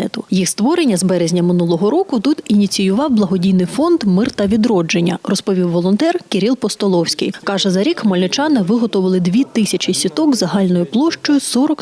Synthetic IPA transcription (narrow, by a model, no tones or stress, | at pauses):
ɛt̪ʊjixst̪ʋɔɾenʲːɐzbɛɾezʲnʲɐmɪnulˠɔɦɔɾɔkʊt̪ut̪inʲit͡sʲijʊʋɑwblˠɐɦɔdʲijnɪjfɔnd̪mɪrt̪ɐʋʲid̪ɾɔd͡ʒenʲːɐ̰rɔspɔʋʲiwːɔlˠɔnt̪ɛrkeɾʲilˠpɔst̪ɔlˠɔwsʲkɪ̰jkɑʒɛzɐɾʲikmɔlʲnʊt͡ʃɑnɪʋɪɦɔt̪ʊʋɐlˠɪd̪ʋʲit̪ɪsʲɐt͡ʃisʲit̪ɔkzɐɦɑlʲnɔjʊplˠɔʃt͡ʃɔjʊsɔɾɔk